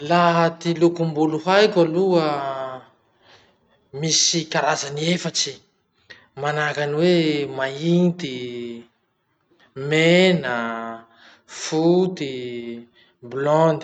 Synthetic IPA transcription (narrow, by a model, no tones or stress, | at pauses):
laɦt̪ilukumbuluɦajkaluə | misikaɾazaniefaʈ͡ʂi | manakaniwemaint̪i | menə | fut̪i | blɔnd̪i